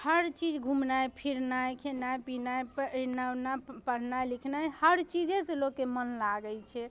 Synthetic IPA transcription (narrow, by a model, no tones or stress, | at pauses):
həɾt͡ʃid͡ʒɡʱumnajpʰiɾnajkʰenajpinajpnawnapəɽ̤najlikʰnajhəɾt͡ʃid͡ʒeselokːemənlaɡəlt͡ʃʰɛ